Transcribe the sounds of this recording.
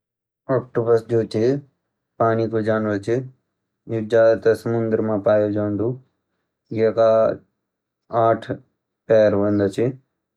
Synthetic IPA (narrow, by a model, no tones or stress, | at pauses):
ɔːk̚ʈobəsd͡ʒoːt͡ʃi | paːnikod͡ʒaːnʋət͡ʃʰi | d͡ʒud͡ʒaːd̪t̪ɐsəmʊnd̪əɾmãːpaːjod͡ʒaːnd̪u | jeka | aːʈʰ | pɛːɾʋɐnd̪ɐt͡ʃʰi